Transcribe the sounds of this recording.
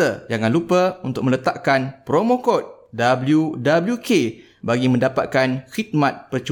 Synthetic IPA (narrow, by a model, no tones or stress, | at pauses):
əd͡ʒaŋãnlupəunt̪ʊk̚mə̃lət̪aʔkanpɾomokɔt̪̚dabəljudabəljukʰe | baɡimə̃ndapa̰t̪̚kanxit̪̚mãt̪̚pərt͡ʃu